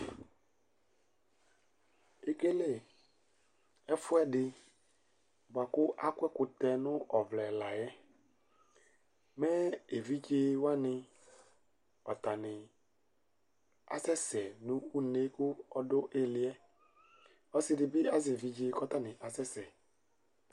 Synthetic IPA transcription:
e˦ke˦le˦˨ | ɛ˦fʊ˦ɛ˦dɪ˨ | ba˨kʊ˦ʔa˦kʷɛ˦kʊ˨t̪ɛ˨nʊ˦ʔɔ˨vlɛ˨la˨jɛ˦ | mɛ˦e˨vi˦d͡ʒe˦wa˦nɪ˦ | ɔ˨t̪a˨nɪ˨ | a̰˨sɛ˦sɛ˨nʊ̃˦u˦ne˦kʊ˦ɔ˦dʊ˦ʔe˦lɪ˨˦ɛ˦ | ɔ˦sɪ˦dɪ˨bɪ˦a˦zɪ˨vi˦d͡ʒe˦kɔ˦t̪a˦nɪ˨ʔa˨sɛ˦sɛ˨

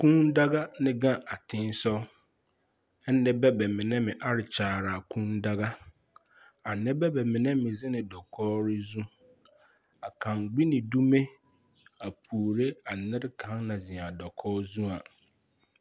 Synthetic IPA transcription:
kʰũ˦nda˦ɡa˦nɪ̃˦ɡã˦ʔa˨tʰɪ̃˦n˦sɔ˦ | ɛ˦nː˦ɛ̃˦bɛ˦bɛ˨mɪ̃˨nɛ̃˦mɪ̃˨ʔa˦ɾɪ˨t͡ɕʰaː˨ɾa˨kʰũ˦nda˦ɡa˦ | a˨nɪ̃˦bɛ˦bɛ˨mɪ̃˨nɛ̃˦mɪ̃˨zɪ˦nɪ̃˨dɔ˨kʰɔː˦ɾɪ˦zũ˦ | a˨kʰã˨ŋɡ͡bi˦nɪ̃˨du˦mẽ˦ | a˨pʰuː˨ɾe˦a˨nɪ̃˦ɾkʰã˨˦ŋnã˨zĩ˨a˨dɔ˨kʰɔː˦zũ˦a˨

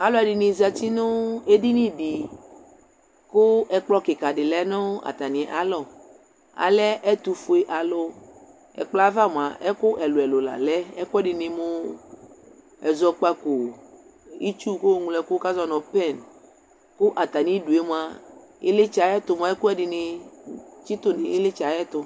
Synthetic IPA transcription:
a˨lɔ˦ɛ˨dɪ˨nĩ˨za˨ti˦nʊ˦e˦di˦nĩ˦di˨ | kʊ˦ɛ˨k͡plɔ˦kɪ˨ka˨ɖɪ˨lɛ˦nɔ̃˦a̰˨t̪a˨nĩ˨ʔa˨lɔ˦˨ | a̰˨lɛ˦ʔɛ˦t̪u˨fo˨e˨ʔa˨lo˦ | ɛ̰˨k͡plɔ˦a˦va˦m˨a˨ʔɛ˦kʊ˦ʔɛ˨lo˨ɛ˨lo˨la̰˨lɛ˦ɛ˦kʊ˦ɛ˦dɪ˨nɪ̃˨mo˦ | ɛ˨zɔ˦k͡pa˦ko˨ | i˦t͡ʃu˦ko˦ŋu˨lɛ˨ko˦ka˦zɔ˦nɔ̃˨pɛ˦˨n | kʊ˦ʔa˨t̪a˨nĩ˨˦ɖu˨e˦m˦˨a˨ | e˦le˦t͡ʃa˨˦ɛ˦t̪o˨m˨ã˨˦ɛ˦ku˦ɛ˦dɪ˨nɪ˨ | t͡ʃi˦t̪o˦ne˨e˦le˦t͡ʃa˨jɛ˦t̪o˨

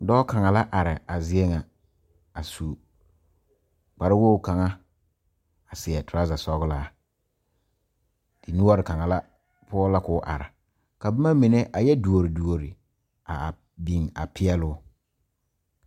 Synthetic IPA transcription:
dɔ˦ka˨ŋa˨la˦ʔa˨ɾɪ˨a˨zɪ˦ɛ˦ŋa˨ | a˨su˨ | k͡pa˨ɾɪ˦wo˦˨ka˨ŋa˦ | a˨sɪ˨ɛ˨tɾa˦za˨sɔ˦ɣʊ˦laː˦ | d̥ɪ˨nʊ˦ɔ˦ɾɪ˨ka˨ŋa˨la˦ | pʊ˦ɔ˦la˦kʊ˦ʔa̰˨ɾɪ̰˨ | ka˨bɪ˦ma˦mi˨ne˦ʔa˨jɛ˦du˨o˨ɾi˨du˨o˨ɾi˨ | a˨ | bi˨ŋa̰˨pʰɪ˦ɛ˦lʊ˦

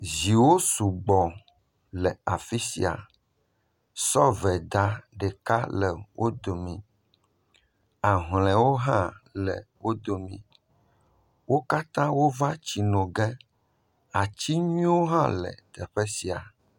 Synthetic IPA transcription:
zi˨wo˦su˨ɡ͡bɔ˨ | lɛ˨a˨fi˦si˨a̰˨ | sɔ˦vɛ˨d̪a˦ɖɛ˨ka˦lɛ˨wʔo˦d̪o˨mĩ˨ | a˨ɦlɛ̃˨wo˦ɦã˦lɛ̰˨wo˦d̪o˨mḭ̃˨ | wo˦ka˦t̪ã˦wo˦va˦t͡ɕi˨nɔ̃˨ɡɛ˦ | a˨t͡ɕi˦ɲĩ˦wo˦ɦã˦lɛ̰˨t̪ɛ˨ɸe˦si˨a˨

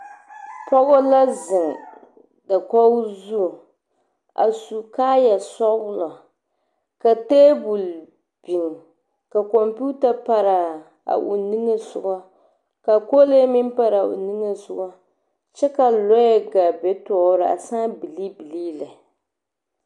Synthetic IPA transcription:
pɔ˦ɡɔ˦la˦zɨ˨ŋ˨ | da˨kɔ˦zu˦˨ | a̰˨su˨kaː˦ja˨sɔ˦wlɔ˨ | ka˨te˦bu˨l | b̥i˨ŋ˨ | ka˨kɔ˨mpu˦ta˨pa˦ɾa˨ | a̰˨ʔṵ˨nɨ˦ŋe˦zʊ˨ɡa˦ | ka˨ko˦le˦mɪ˦npa˦ɾa˨ʔṵ˨nɨ˦ŋe˦zʊ˦ɡa˦ | t͡ʃɛ˦ka˨lɔ˦jɛ˦ɡa˨bɛ˦tɔː˨˦ɾɨ˨a̰˨saː˦bi˨li˦bi˨liː˦la˨

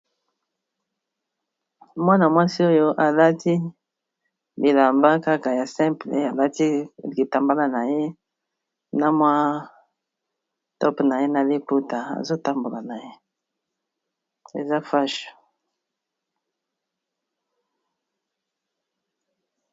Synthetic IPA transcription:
mwa˦na˨mwa˦si˦o˦jo˦ʔa˨la˦ti˦ | bi˨la˨mba˦ka˦ka˨ja˨sɛ̃˦mplḛ˨a˨la˦ti˦li˨ta˨mba˦la˨na˨je˦ | na˦mwa˦ | tɔ˦pna˨je˦na˨li˦pu˦ta˨a̰˨zo˦ta˦mbo˨la˨na˨je˦ | ḛ˨za˦fa˦ʃu̥˨

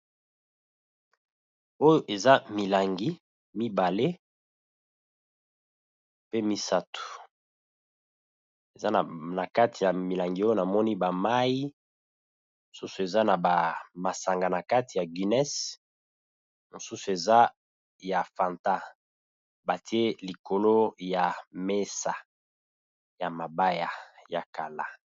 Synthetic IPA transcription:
o˦jo˦ʔe˨za˦mi˨la˨ŋɡi˦ | mi˦ba˨le˦ | pe˦mi˦sa˦tu̥˨ | e˨za˦n˨na˨ka˦tʰi˨ja˨mi˨la˨ŋɡi˨o˦jo˦na˨mɔ˦ni˦ba˨ma˦ji˦ | mo˨su˦su˨e˨za˦na˨ba˨ma˨sa˨ŋɡa˨na˨ka˦ti˨ja˨ɡi˨nɛ˦s | mo˨su˦su˨e˨za˦ | ja˨fa˨nta˦ | ba˨ti˦e˦li˨ko˨lo˦ja˨me˦sa˨ | ja˨ma˨ba˦ja˨ja˨ka˨la˦˨

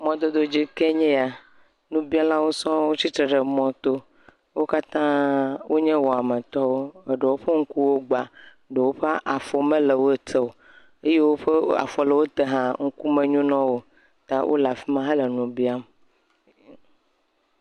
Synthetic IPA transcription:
mɔ̃˨d̪o˨d̪o˨d͡ʑi˦ke˦ɲɛ̃˦a˨ | nũ˦bi˦a˦la˦wo˦sɔ̃˦wo˦t͡ɕi˦t̪ɾe˨ɖe˨mɔ̃˦t̪o˦ | wo˦ka˦t̪ã˦wʔo˦ɲɛ̃˦wɔ˨a˨mẽ˨t̪ɔ˦wo˦e˨ɖe˨wo˦ɸe˦ŋ̩˦ku˦wo˦ɡ͡ba˨ | ɖe˨wo˦ɸa˦ʔa˨fɔ˨mẽ˦le˨wo˦e˦t̪ʰe˨wo˨ | e˦je˦wo˦ɸe˦a̰˨fɔ˨le˨wo˦t̪e˦ɦã˦ŋ̩˦ku˦mẽ˨ɲũ˦nɔ̃˦wo˦ | t̪a˦wʔo̰˦la˨fi˦mã˦ɦe˦le˨nũ˨bi˦a˦m

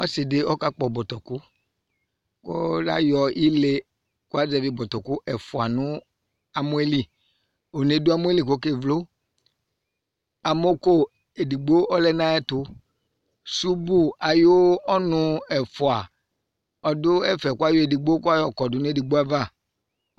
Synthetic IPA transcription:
ɔ˦sɪ˨dɪ˦ɔ˦ka˦k͡pɔ˨bɔ˨t̪ɔ˨kʊ˦ | kɔ̰˦la̰˦jɔ˨i˦le˦ | kʊ˦a˦d͡zɛ˨vi˦bɔ˨t̪ɔ˨kʊ˦ʔɛ˨fʊ˨a˨nʊ̃˦ | a˨mu˦e˦li˦ | o˨ne˨dʊ˦a˦mu˦e˦li˨ko˦ke˦vlo˦ | a˨mo˦ko˦ | e˨di˨ɡ͡bo˦ɔ˦lɛ˦nã˦ɛ˦tʊ˦ | su˦bu˦a˨jo˦ɔ˦nʊ˦ɛ˨fʊ˨a˨ | ɔ˨dʊ˦ɛ˦fɛ˨ku˦a˦jo˦e˨di˨ɡ͡bo˦ku˦a˦jɔ˨kɔ˨dʊ˨n˦e˦di˨ɡ͡bo˦a˦va˦˨

